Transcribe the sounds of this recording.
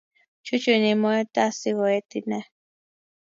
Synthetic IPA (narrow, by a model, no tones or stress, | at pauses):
t͡ʃut͡ʃunimoet̪asiɣoet̪ine